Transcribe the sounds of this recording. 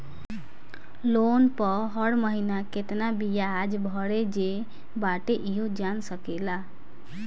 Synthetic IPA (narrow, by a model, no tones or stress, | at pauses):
lonpɔɦəɽməɦinaket̪nabijad͡ʒbʱʌɽed͡ʒe | baʈeʔiɦod͡ʒansəkela